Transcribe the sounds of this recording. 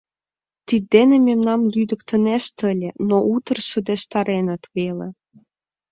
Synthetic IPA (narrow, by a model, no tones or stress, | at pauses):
t̪id̪ːenĕmemnɑmlyd̪ə̆kt̪ə̆neʃt̪ə̆lʲĕnoʔut̪ə̆rʃə̆d̪eʃt̪ɑɾenə̆t̪βelḛ